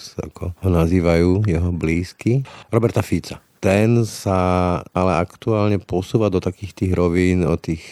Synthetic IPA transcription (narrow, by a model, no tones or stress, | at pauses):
sa̰kʰɔɦɔnaziːʋajuːjɛɦɔbliːskiɾɔbɛɾt̪afit͡sa | t̪ɛnsaalɛakt̪uaːlɲɛpɔsuːʋad̪ɔt̪akiːxt̪iːɣɾɔʋiːnɔ̰t̪iːx